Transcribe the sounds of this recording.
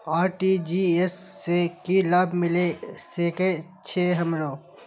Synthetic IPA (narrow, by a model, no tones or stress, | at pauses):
aːɾʈid͡ʒiːesːekilaːbʱmɪleseːke | t͡ʃʰeːɦɐmɾoː